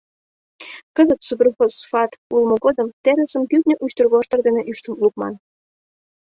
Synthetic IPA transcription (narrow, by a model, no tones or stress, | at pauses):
kəzət̪supʲerfosfɑt̪ulməɣod̪əmt̪eɾəsəmkyknʲeʔut͡ɕt̪ərɣoʃt̪ərd̪eneʔyʃt̪əmluk̚mɑn